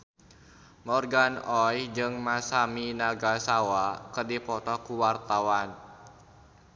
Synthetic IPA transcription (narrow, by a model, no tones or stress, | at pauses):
mɔrɡanɔjd͡ʒɨŋmasaminaɡasawakərdipɔt̪ɔkuwart̪awan